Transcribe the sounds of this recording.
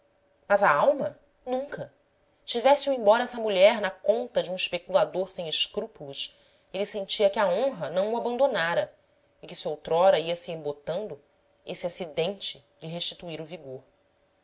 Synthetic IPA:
mɐzɐawmɐ | nũŋkɐ | t͡ʃivɛsɪũẽbɔɾɐɛsɐmuʎɛɾnɐkõnt̪ɐd͡ʒɪũiʃpekulad̪oɾsẽj̃ɪʃkɾupulˠuʃ | elisẽnt͡ʃiɐkɪaõɦɐnɐ̃w̃uabɐ̃nd̪onaɾɐ | ɪkɪsɪowt̪ɾɔɾɐiɐsiẽmbot̪ɐ̃nd̪ʊ | esɪasid̪ẽnt͡ʃɪ | lɪɦeʃt͡ʃi̥t̪uiɾʊviɡoɾ

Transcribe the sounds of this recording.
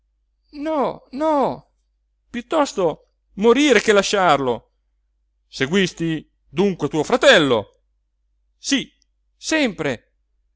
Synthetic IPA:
nɔnɔ | pjut̪ːɔst̪o | moɾiːɾekelːaʃːarlo | seɡwist̪i | d̪uŋkwet̪uːofɾat̪ɛlːo̰ | si | sɛmpɾe

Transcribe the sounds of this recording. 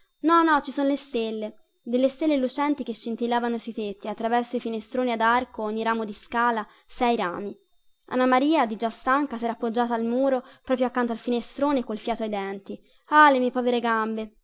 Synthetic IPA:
nɔnːɔt͡ʃisonolest̪elːe | d̪elːest̪elːelut͡ʃɛnt̪ik̟eʃːint̪ilːaːvanosujt̪et̪ːiat̪ːɾavɛrsoifinest̪ɾoːniad̪arkoɔɲːiɾaːmod̪iskaːla | sɛjɾa̰ːmi | a̰nːamaɾiːad̪id͡ʒast̪aŋkasɛːɾaːpːod͡ʒːaːt̪aːlmuːɾopɾɔːpɾjoakːant̪oalfinest̪ɾoːnekolfjaːt̪oajd̪ɛnt̪i | alemiɛpɔːveɾeɡambe

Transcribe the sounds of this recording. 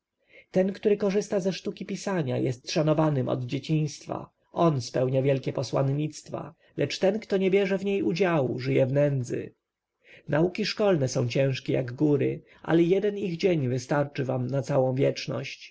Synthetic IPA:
t̪ɛnkt̪uɾɘkɔʐɘst̪azɛʂt̪ukʲipʲisaɲa̰jɛst̪ʂanɔvanɘmɔ̰d̪d͡ʑet͡ɕĩj̃st̪fa̰ | ʔɔnspɛwɲavʲjɛlkʲɛpɔswa̰nɲit̪st̪fa̰ | lʔɛt͡ʂt̪ɛnkt̪ɔɲɛbʲjɛʐɛvɲejud͡ʑawuʐɘjɛvnɛnd̪zɘ̰ | naukʲiʂkɔlnɛsɔ̃w̃t͡ɕɛ̃w̃ʂkʲɛja̰ɡɡuɾɘ̰ | ʔa̰lɛjɛd̪ɛniɣd͡ʑeɲvɘst̪aɾt͡ʂɘvamnat̪sawɔ̃w̃vʲjɛt͡ʂnɔ̰ɕt͡ɕ

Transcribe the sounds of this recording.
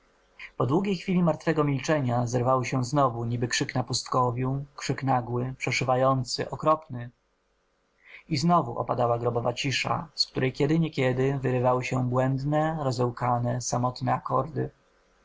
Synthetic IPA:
pɔd̪wuɡʲejxfʲilʲimaɾt̪fɛɡɔmʲilt͡ʂɛɲazɛɾvawɘɕɛznɔvuɲibɘkʂɘknapust̪kɔvʲjukʂɘknaɡwɘpʂɛʂɘvajɔnt̪sɘ̰ʔɔkɾɔpnɘ | iznɔvuʔɔ̰pad̪awaɡɾɔbɔvat͡ɕiʂa̰skt̪uɾɛjkʲɛd̪ɘɲɛkʲɛd̪ɘvɘɾɘvawɘɕɛbwɛnd̪nɛɾɔzɛwkanɛsamɔt̪nɛakɔɾd̪ɘ̰

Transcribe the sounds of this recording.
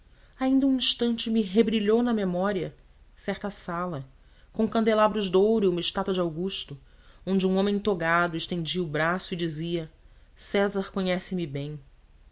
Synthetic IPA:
aĩnd̪ɐũĩʃt̪ɐ̃nt͡ʃɪmiɦebɾiʎownɐmemɔɾiɐ | sɛɾt̪ɐsalɐ | kõkɐ̃nd̪elabɾʊʒd̪owɾʊiũmɐɪʃt̪at̪wɐd͡ʒɪawɡuʃt̪ʊõnd͡ʒɪũõmẽt̪oɡad̪ʊeʃt̪ẽd͡ʒiɐubɾasʊid͡ʒiziɐsɛzɐɾkõɲɛsɪmɪbẽj̃

